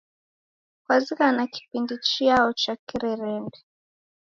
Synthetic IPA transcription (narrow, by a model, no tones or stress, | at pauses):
kwazikanaki̥pindit͡ʃiaɔt͡ʃakiɾɛɾɛndɛ